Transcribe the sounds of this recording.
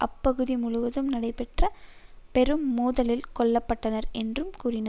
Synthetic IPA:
ʔɐpːɐɣɯðimʊɻʊʋɐðɯmnɐɽɐɪpɛʈrɐpɛɾɯmːuːðɐlɪlkɔɭːɐpːɐʈːɐnɐɾɛndrɯmkuːɾɪna

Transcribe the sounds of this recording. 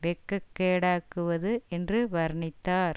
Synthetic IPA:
ʋɛkːɐkːeːɽaːkːɯʋɐðɯɛndrɯʋɐɾɳɪt̪ːaːɾ

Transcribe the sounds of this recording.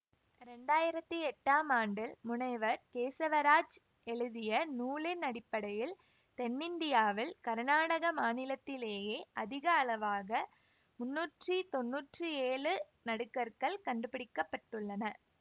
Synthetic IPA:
ɾɛɳɖaːjɪɾɐt̪ːɯɛʈːaːmaːɳɖɪlmʊnɐɪʋɐɾkeːsɐʋɐɾaːd͡ʒ | ɛɻɯðɪjɐnuːlɪnɐɽɪpːɐɽɐjɪl | t̪ɛnːɪnd̪ɪjaːʋɪlkɐɾnaːɽɐɣɐmaːnɪlɐt̪ːɪleːjeːʔɐðɪɣɐɐlɐʋaːɣɐ | mʊnːuːʈrit̪ɔnːuːʈrɯeːɭɯ | nɐɽɯkːɐɾkɐɭkɐɳɖɯpɪɽɪkːɐpːɐʈːɯɭːɐnɐ

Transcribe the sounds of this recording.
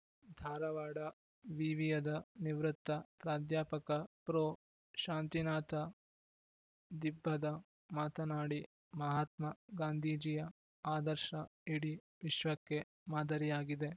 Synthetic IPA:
d̪ʱaːɾɐʋaːɽɐ | ʋiːʋijɐd̪ɐniʋɾut̪ːɐpɾaːd̪jaːpɐkɐpɾoː | ʃaːnt̪inaːt̪ɐ | d̪ibʱːɐd̪ɐ | maːt̪ɐnaːɽi | mɐɦaːt̪mɐɡaːnd̪ʱiːd͡ʒijɐ | aːd̪ɐɾʃɐiɽi | ʋiʃʋɐkːe̞ | maːd̪ʱɐɾijaːɡid̪e̞

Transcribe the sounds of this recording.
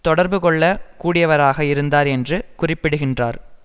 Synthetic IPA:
t̪ɔɽɐɾbɯkɔɭːɐkuːɽɪjɐʋɐɾaːɣɐɪɾɯnd̪aːɾɛndrɯkʊrɪpːɪɽɯɣɪndra̰ːɾ

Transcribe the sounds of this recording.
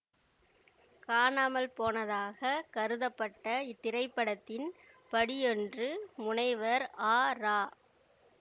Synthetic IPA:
kaːɳaːmɐlpoːnɐðaːɣɐkɐɾɯðɐpːɐʈːɐɪt̪ːɪɾɐɪpːɐɽɐt̪ːɪn | pɐɽɪjɔndrɯmʊɳɐɪʋɐɾaːɾaː

